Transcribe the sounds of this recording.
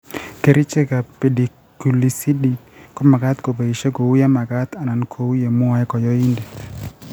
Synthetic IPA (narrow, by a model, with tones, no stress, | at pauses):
ke˨ɾi˦t͡ʃe˦ka˨pe˨di˨ | ku˨li˨si˦di˦kɔ˦ma˨ɡa˦t̪ko˨be˨i˨ʃe˦ɡo˨wu˦ja˦ma˨ɡa˦t̪a˨na˨nkʰo˨wu˦je˨mʊ˦a˨ɛ˦kɔ˨jɔ˦i˦ndi˨